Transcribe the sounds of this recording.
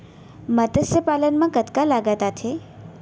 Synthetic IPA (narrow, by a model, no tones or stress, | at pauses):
mət̪əsjəpalənmãkət̪kalaɡat̪at̪ʰe